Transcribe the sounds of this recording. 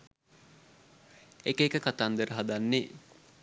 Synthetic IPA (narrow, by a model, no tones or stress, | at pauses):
ekeːkəkat̪and̪əɾəɦad̪anːe